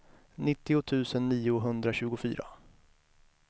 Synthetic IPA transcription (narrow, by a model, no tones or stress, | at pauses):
nɪt̪ːɪʊt̪ʰʉ̟ːsənːiːʊɦɵnd̪ɾaɕʉ̟ːɡʊfy̰ːɾa̰